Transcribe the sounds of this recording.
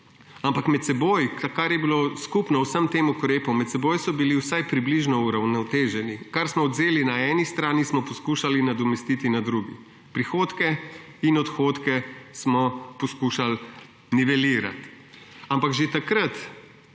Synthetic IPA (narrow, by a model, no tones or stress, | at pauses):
ampakmɛt̪sɛbojkakaɾjɛbiloskupnɔwsəmt̪eːmukɾeːpɔmɛt̪sɛboːjsɔbiliwsajpɾibliʒnɔuɾawnɔt̪eːʒɛnikaɾsmɔːd̪zeːlinaɛːnist̪ɾaːnismɔpɔskuʃalinad̪ɔmɛst̪it̪inad̪ɾuɡḭ | pɾixoːt̪kɛ | inɔt̪xoːt̪kɛsmɔpɔskuʃal | niʋɛliːɾa̰t̪ | ampaɡʒet̪akɾat̪